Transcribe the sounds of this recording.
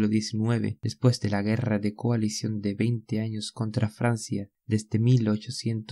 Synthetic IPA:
loðje̞sinwe̞βe̞̰ð̥e̞spwe̞zd̪e̞laɣ̞e̞raðe̞koalisjo̞nd̪eβejnt̪eaɲo̞sko̞nt̪ɾafɾansja | d̪esd̪e̞milo̞t͡ʃo̞sje̞nt̪o

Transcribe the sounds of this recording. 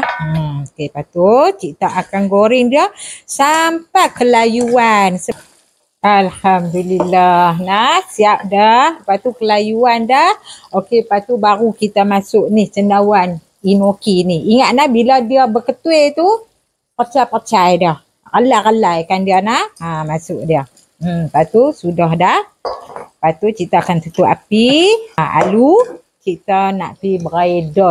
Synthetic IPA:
okepat̪ut͡ʃit̪aʔakanɡoɾɪŋdiasampakəlajuansə | alhamd̪ulilaɦnahsiap̚dahpat̪ukəlajuandahokepat̪ubaɾukit̪amasʊʔnɪht͡ʃənawan | inokiniiŋaʔ̪̚nahbiladiəbəkət̪uet̪u | pərt͡ʃajpərt͡ʃajdah | rəlaɣəlajkandianahamasʊʔdiə | m̩pat̪usudɔɦdah | pat̪ut͡ʃit̪aakansət̪uʔa̰pia̰lu | t͡ʃit̪əna̰ʔpibəɾaedɔ

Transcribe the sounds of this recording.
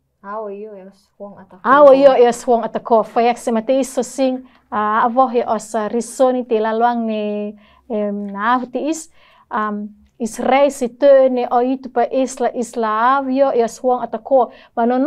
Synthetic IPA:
awajoeɔswɔŋat̪akofajaksemat̪eisːosiŋ | aavɔɦeʔɔsarisonit̪elaloaŋne | naavut̪iis | am | israisit̪øneʔoit̪upaʔislaʔislaavjoʔeɔswɔŋat̪ako | banon

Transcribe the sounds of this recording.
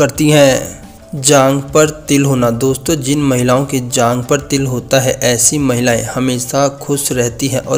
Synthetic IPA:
kɐɾt̪iɦɛ̃ | d͡ʒãːŋɡpɐɾt̪ɪlɦoːnad̪oːst̪õd͡ʒɪnmɐɦɪlaːõked͡ʒãːŋɡpɐɾt̪ɪlɦoːt̪aɦɛʔɛːsimɐɦɪlaːẽhɐmeːʃakʰʊʃɾɛɦt̪iɦɛ̃ʔɔ̰ː

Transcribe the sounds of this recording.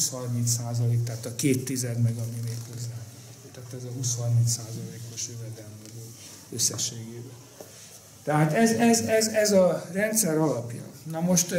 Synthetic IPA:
shɒrmint̪saːzɒleːk̚t̪aːt̪ɒkeːt̪ːizɛd̪mɛɡɒmimeːkho̞zːaːn | kot̪aːt̪ɛzɒɦuːshɒrmint̪saːzɒlleːko̞ʃøvɛd̪ɛlmːɛɡoː | øsːɛʃeːɡeːbɛ | t̪ɛɦaːt̪ɛzɛzɛzɛzɒrɛnt̪sɛɾɒlɒpjɒ̰nɒmo̞ʃt̪

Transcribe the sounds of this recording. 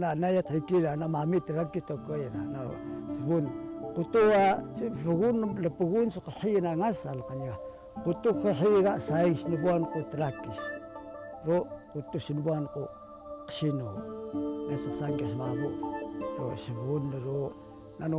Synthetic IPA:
nanajathakilanamamitəɾakistokejna̰na̰səβunkutuaβəɣunləpəɣunsukəħinaŋasalkania | kutukəħiɣasaiŋsnəβuankutəɾakis | ɾokutusiniβuanku | qə̥sino | nessaŋɡis̬maβuɾo̰səβunːəɾo | nano

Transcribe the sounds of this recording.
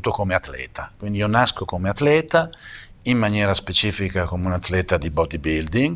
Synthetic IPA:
t̪ːokomeat̪lɛ̰ːt̪ʰakwind̪iionaskokomeat̪ːlɛːt̪a | immanjɛːɾaspet͡ʃiːfikakomeunat̪ːlɛt̪ad̪ibɔd̪ibild̪iŋ

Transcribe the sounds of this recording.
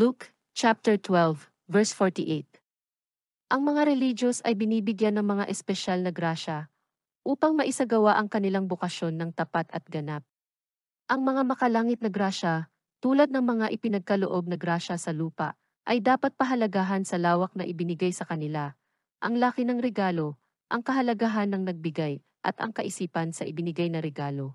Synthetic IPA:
luk | t͡ʃap̚t̪ɛɹt̪wɛlv | vɛɹsfoɹt̪iʔet̪̚ | ʔɐŋmɐŋaɾɛlid͡ʒosɐjbɪniːbɪɡjanːɐŋmɐŋaʔɛspɛʃalnɐɡɾaːʃɐ | ʔuːpɐŋmɐʔɪsaɡɐwaʔɐŋkɐnɪlaŋbokɐʃjo̞nːɐŋt̪ɐpat̪ɐt̪̚ɡɐnap̚ | ʔɐŋmɐŋamɐkɐlaːŋɪt̪̚nɐɡɾaːʃɐ | t̪uːlɐd̪̚nɐŋmɐŋaʔɪpɪnɐɡ̚kɐloʔo̞b̚nɐɡɾaːʃɐsɐluːpɐ̰ʔ | ʔɐjd̪aːpɐt̪̚pɐɦɐlɐɡaːɦɐnsɐlaːwɐk̚nɐʔɪbɪnɪɡajsɐkɐnɪla | ʔɐŋlaːkɪnɐŋɾɛɡaːlo̞ | ʔɐŋkɐɦɐlɐɡaɦanːɐŋnɐɡ̚bɪɡaj | ʔɐ̰t̪ɐ̰ŋkɐʔɪsiːpɐnsɐʔɪbɪnɪɡajnɐɾɛɡaːlo̞

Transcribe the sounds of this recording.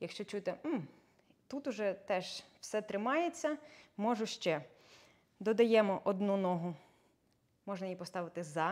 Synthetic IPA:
jɐkʃt͡ʃɔt͡ʃut̪ɪm̩ | t̪ut̪ʊʒɛt̪ɛʒw̥sɛt̪ɾɪmɑjet͡sʲːɐmɔʒʊʃt͡ʃɛ | d̪ɔd̪ɐjɛmɔʔɔd̪nunɔɦʊ | mɔʒnɐjipɔst̪ɑʋɪt̪ɪzɑ

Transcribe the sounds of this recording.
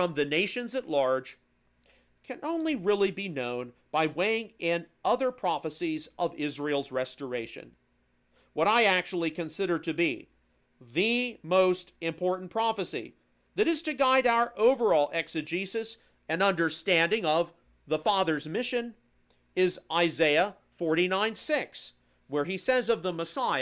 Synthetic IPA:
fɹʌ̃mðɨneɪʃɨ̃nzɨtˡlɑɹd̥ʒ̥ | kʰɨ̃nõʊ̃nliɹɪlˠibinõʊ̃nb̥aɪweɪɪ̃ŋɪ̃nʌðə˞pʰɹ̥ɑfɨsizʔʌvɪzɹil̩ˠzɹɛstə˞eɪʃɨ̰̃n | wʌɾaɪæk̚t͡ʃul̩ˠikɨ̃nsɪɾə˞ɾɨbḭ | ðɨmoʊstɨ̃mpʰɔɹʔn̩pʰɹ̥ɑfɨsḭ | ðɨɾɨz̥tɨɡaɪɾaʊə˞ʔoʊvə˞ɔlˠʔɛksɨd͡ʒisɨs | ɨ̃nʌ̃ndə˞stæ̃ndɪ̃ŋʌv | ðəfɑðə˞zmɪʃɨ̃n | ɪzaɪzeɪə | fɔɹɾinãɪ̃nsɪks | wə˞isɛzʌvðəməsaɪ

